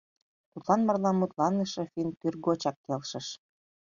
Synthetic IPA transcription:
t̪ut̪lɑnmɑrlɑmːut̪lɑnəʃɤ̆fink̪yrɡot͡ɕɑkːelʃə̆ʃ

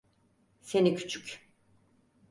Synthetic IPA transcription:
senicʰy̥t͡ʃʰycʲ

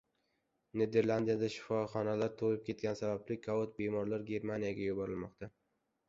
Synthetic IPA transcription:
ne̞d̪e̞ɾlˠand̪ijad̪aʃɪ̥fɒχɒnalaɾt̪ʰolɪp̚kʲe̞t̪̚kʲansabablɪkʰɒot̪̚be̞mɒɾlaɾɡʲe̞ɾmanijaɡʲajʊbɒɾɪlmɒqt̪ʰa

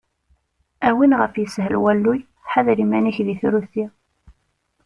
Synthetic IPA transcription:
æwinʁəfjəshəlwælːuj | ħaðɾimæniçðiθɾuθi

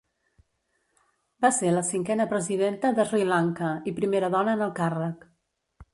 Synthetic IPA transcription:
baseləsiŋkɛnəpɾəziðent̪əðəzrilaŋkəipɾimeɾəðɔnəːnəlˠkarək

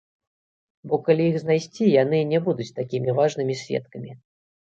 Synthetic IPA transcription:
bɔkalʲiixznajsʲt͡sʲijanɨnʲɛbud̪ut͡sʲt̪akʲimʲivaʐnɨmʲisʲvʲɛ̰t̪kɐmʲi

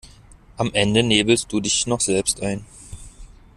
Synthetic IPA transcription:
ʔamʔɛndəneːbl̩st̚d̥uːdɪçnɔχz̥ɛlpstʔaɪn

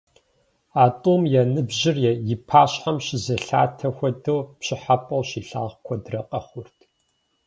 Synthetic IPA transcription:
aːtʼomjɛnɨbʑɪrjɛjɪpʰaːɕħamɕɪzɐɬa̰ːtʰɐxʷɔdɐwpɕɪħapʼɐwɕiːɬa̰ːʁkʷʰɔdrɐqʼɐχʷʊrtʰ

